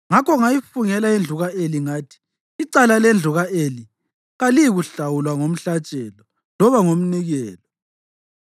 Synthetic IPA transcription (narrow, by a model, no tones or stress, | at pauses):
ŋakɔŋajifuŋɛlaend͡ɮʱuɣaʔeliŋaːtʰi̥ː | ǀalalend͡ɮʱuɣaʔeli | ɣalijiɣuɬawulwaŋom̩ɬat͡ʃʼɛlɔ | lɔβaŋom̩niɣɛːlɔ